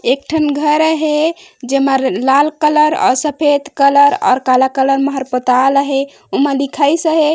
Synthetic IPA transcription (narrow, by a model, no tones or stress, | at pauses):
ek̚ʈʰənɡʱəɾəɦed͡ʒeməɾlalkələɾɔ̰ɾsəpʰed̪kələɾɔ̰ːɾkalakələɾməɦəɾpət̪aləɦe | uməlikʰajsəɦe